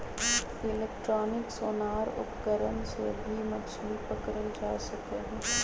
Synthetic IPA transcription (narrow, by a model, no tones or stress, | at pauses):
ɪleːkʈɾoːnɪksoːnaːɾʊ̰pkəɾənsebʱimɐt͡ʃʰupɐkɾəld͡ʒaːsɐkeɦɛ̃ː